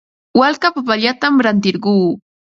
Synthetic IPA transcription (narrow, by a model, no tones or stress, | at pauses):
walkapapaʎat̪amɾant̪ɪɾɢuː